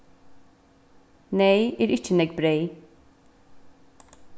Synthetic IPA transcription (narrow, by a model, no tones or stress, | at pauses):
neɪæːɾɪt͡ʃːənɛɡbɾeɪ